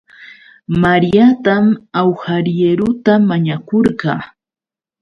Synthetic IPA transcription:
maɾjat̪amawhaɾeɾʊt̪amaɲakoɾɢɑː

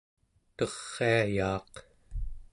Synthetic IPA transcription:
t̪ʌʁːeajɑːq

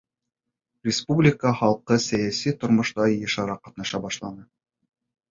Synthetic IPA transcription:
rʲɪspublʲɪkəχɑlˠqɤsæjæsit̪ŏɾmŏʃt̪ɑjɤ̆ʃɑɾɑqɑt̪̚nɑʃɑbɑʃlˠɑnɤ

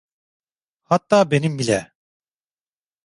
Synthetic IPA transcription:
hat̪ːaːbenimbilʲɛ

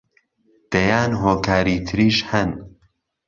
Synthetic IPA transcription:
d̪̥ɐjaːnɦoːkʰaːɾiːt̪ʰɨɾiːʃhɐn

